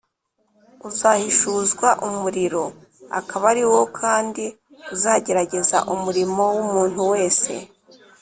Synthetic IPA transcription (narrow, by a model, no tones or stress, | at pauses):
uzahiʃuːzɡwaʔumuɾiɾo̞ | a̰kaβaɾiwo̞kʰaːndi | uzaːɟe̞ɾaɟe̞za̰ʔumuɾimo̞wumuːn̥huwe̞ːse̞̰